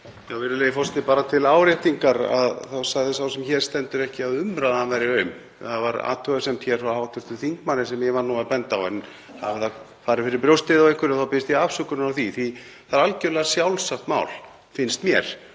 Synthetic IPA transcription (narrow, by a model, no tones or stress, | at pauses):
jawvɪɾɪlejɪfɔrst̪ːɪpaːɾat̪ʰɪlaːwɾɛht̪iŋkaɾa̰ðθawsaɣðɪsawsɛmçɛːɾ̥st̪ɛnt̪ʏɾɛhcɪaðʏmɾaðaanvɛɾɪœɥm | θavaɾa̰ːt̪ʰœɣasɛmt̪çɛɾ̥θahawt̪ʰʏɾ̥t̪ʏθiŋkmanːɪsɛmjɛvaɾnuːapɛnt̪awɛ̰n | ha̰vɪθa | faːɾɪfɪɾɪɾpɾjowst̪ɪðawejhkʏɾɪθawpɪɪst̪iafsʏkʏɾnʏɾawθiθi | θaɾalcɛlɛɣasjawlsaxt̪ma̰wl | fɪnst̪mjɛɾ̥